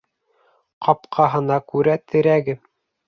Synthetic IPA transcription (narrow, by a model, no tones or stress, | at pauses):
qɑpqʰɑɦɤ̆nɑkʉɾæt̪ʰɘ̆ɾæɡɘ